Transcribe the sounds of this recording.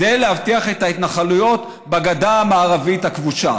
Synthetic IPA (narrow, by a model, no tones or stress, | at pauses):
dejlehavtiaχet̪ait̪naχalujo̞t̪ | baɡad̪aːmaːʁavit̪hakvuʃa